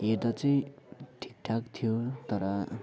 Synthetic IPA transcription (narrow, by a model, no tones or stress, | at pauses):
ed̪ʌt͡sʌj̃ʈʰi̥k̚ʈʰakt̪ʰijot̪ʌɾʌ